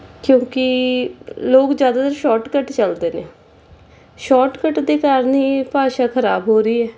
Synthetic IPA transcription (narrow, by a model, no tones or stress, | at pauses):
kjõːkɪ | loːkzjaːd̪aːt̪əɾʃɔːʈkəʈt͡ʃəld̪eːnẽː | ʃɔːʈkəʈd̪iːkaːɾniːpaːʃaːkʰəɾaːbɦoːɾiːɛː